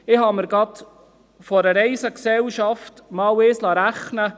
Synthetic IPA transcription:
ɪɦɑməɾɡɑt | fɔɾəɾɛɪsəksɛlʃɑftmɑːwɪːslɑɾæχnə

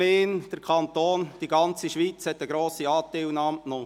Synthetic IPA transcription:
eːnd̥əɾkʰɑnt̪oːnd̥iɡɑnt͡siʃʋiːt͡shɛt̪ːəɡɾoːsiɑːt̪ːelnɑmtno

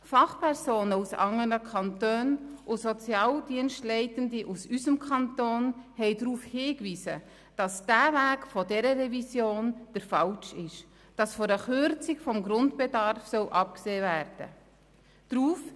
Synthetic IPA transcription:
fɑχpʰɛɾsoːnəusɑ̰ŋənəkʰɑntøːnʔʊsɔt͡sjɑːldiənʃtlɛɪtəndiʔusyzəmkʰɑntoːnhɛɪdɾuːfhɪːkviːsə | d̥ɑsd̥æːvæːkfɔdɛɾəɾɛvisjoːnd̥əɾfɑlt͡ʃɪʃ | d̥ɑsfɔɾəχʏɾt͡sɪkfɔmɡɾʊndbedɑɾfsœwʔɑp̚kseːvæːɾd̥ə̰ | d̥ɾuːf

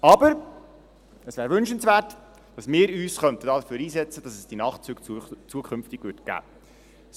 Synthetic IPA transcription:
ɑbəɾ | əsʋæːɾvʏnʃənsvæːrt | d̥ɑsmɪːɾyːsχœnt̪əd̥ɑːdəføːɾiːsɛt͡səd̥ɑsəsd̥inɑχtt͡syːkt͡st͡suəkʰχʏmftɪɡʋʏtɡ̥æ̰ː | s

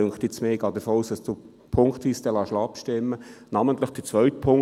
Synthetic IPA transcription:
øŋχt̪ɪt͡smeːɡɑːdəfoːuːsd̥ɑsdu | pʰʊŋkt̪ʋiːst̪ɛlɑʃlɑpʃtɪmːənɑmənt̪lɪχd̥ət͡sʋœʏtpʰʊŋ

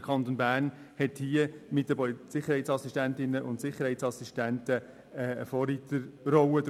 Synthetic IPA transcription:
kʰχɑnt̪onbæːɾn | hɛthiəmɪtdəpɔlsɪχəɾhɛɪt͡ssɑsiʃtæntɪnːəʔʊntsɪχəɾhɛɪtsɑsiʃtæntə | ɛə̰fɔːɾiːt̪əɾrɔwəd̪

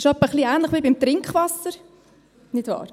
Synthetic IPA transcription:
ʃɔpːəχliæːnləχʋiːbɪmt̪ɾɪŋkχʋɑsːəɾ | nɪd̥vɑ̰ːɾ

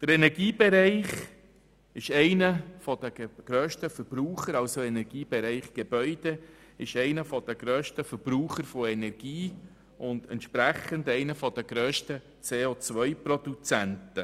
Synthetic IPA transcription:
d̥əɾɛnɛɾɡiːbeɾɛɪχ | ɪʃɛɪnəfɔd̥̪əɡ̥ɾøːʃtəfəɾb̥ɾuːχəɾɑlsoɛnɛɾɡ̥iːbɛɾɛɪχɡ̥eb̥œʏd̥ɛ | ɪʃɛɪnəfɔd̥̪əɡ̥ɾøːʃtəfəɾb̥ɾuːχəɾfoɛnɛɾɡ̥iː | ʔʊnd̥̪ɛntʃpɾæχəndɛɪnəfɔd̥əɡɾøːʃtə | t͡seːot͡svʋœʏpɾɔd̥̪ut͡sæntə

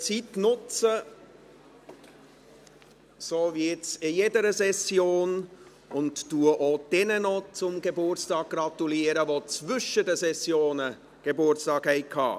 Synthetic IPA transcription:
t͡sitnʊt͡sə | soːvɪtsɪjedəɾəsɛsjoːn | ʊntːuəʔod̥ɛnənot͡sʊmɡebʊɾtt͡stɑːɡ̚ɡ̥rɑtuliːəɾəvot͡svʏʃədəsɛsjoːnə | ɡ̥ebʊɾstɑːkhɛɪkʰɑ̰ː

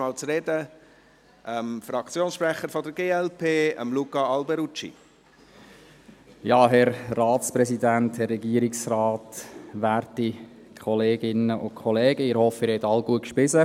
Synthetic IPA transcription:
ɑːlt͡sɾed̪ə | ʔəmfɾɑkʰt͡sjoːnsʃpɾɛχəɾfɔd̪əɾɡeːɛlpʰeːə̰mlukɑɑlbɛɾut͡ʃḭ | jɑːɦɛɾːɑːtspɾɛsid̪ænthɛrːɛɡiəɾiksraːtʋæːɾti | kʰɔleːɡɪnəʔʊkʰχɔlɛːɡ̥əɪɾhɔfɪɾhɛtɑlɡuəkʃpɪsə

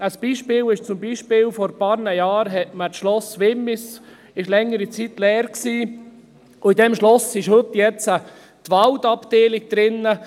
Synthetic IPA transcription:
əsb̥iːʃpɪːlɪʃt͡sʊmbiːʃpɪːlfɔɾpɑːɾnəjɑːɾɦɛtmətʃlɔsʋɪmːɪs | ɪʃlɛŋːəɾit͡sit̪lɛːɾksiː | ʊidɛmʃlɔsɪʃhɵt̪jɛt͡sə | tʋaldɑpd̥eːlɪɡ̚d̥̪ɾɪnːə

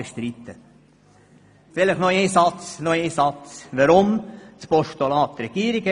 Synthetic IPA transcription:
əʃt̪ɾit̪ə | fɪləχnoeːsɑt͡snoeːsɑt͡sʋəɾʊmt͡spɔʃt̪olɑːt̪ːɾɛɡ̥iːəɾiɡə

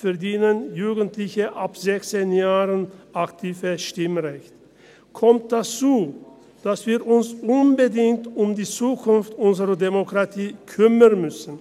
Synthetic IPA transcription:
fɛɐdiːnənjuːɡəntʰlɪçəʔapz̥ɛçt͡senjaːʁənʔaktʰiːvəʃtɪmʁɛçt | kʰɔmt̚d̥at͡suː | d̥asv̥iːɐʔʊnsʔʊnbədɪŋtʊmdiːt͡suːkʰʊnftʊnzəʁɐdemokʁ̥atʰiːkʰʏmənmʏsn̩

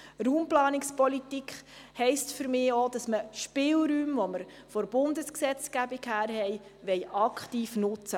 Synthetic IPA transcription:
ɾuːmplɑːnɪkspɔlit̪ikχhɛɪstfʏɾmɪːod̥ɑsməʃpɪːlɾyːmʋɔməɾ | fɔɾb̥ʊndəsksɛt͡skæbikhæːɾɦɛjʋɛjɑkχtiːfnʊt͡sə

